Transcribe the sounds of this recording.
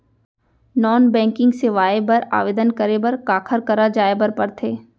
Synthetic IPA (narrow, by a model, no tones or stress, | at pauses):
nɔːnbɛ̃ːŋkɪ̃ŋɡseʋaːebɐɾa̰ːʋeːd̪ənkɐɾebɐɾkaːkʰəɾkɐɾad͡ʒaːebɐɾpɐɾt̪ʰeː